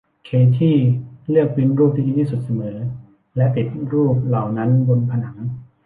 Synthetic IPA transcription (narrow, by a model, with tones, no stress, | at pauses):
kʰeː˧˥t̪ʰiː˥˩lɯ˥˩ək̚pi˧nɾuː˥˩p̚niː˥˩diː˧˩t̪ʰi˥˩su˨˩t̪̚sa˧mɤː˩˦lː | lɛ˦˥ʔpi˨˩t̪̚ɾuː˥˩p̚la˨˩wna˦˥nbo˧npʰa˧na˩˦ŋ